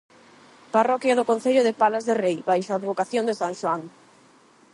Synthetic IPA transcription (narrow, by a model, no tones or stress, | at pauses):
parɔkjɐðʊkon̟θeʎʊðepalazðerejbajʃoaːðβokaθjond̪esaŋʃoaŋ